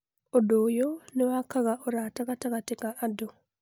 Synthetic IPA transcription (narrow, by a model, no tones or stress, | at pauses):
odoːjonewakaɣaʔoɾataɣataɣatekaʔado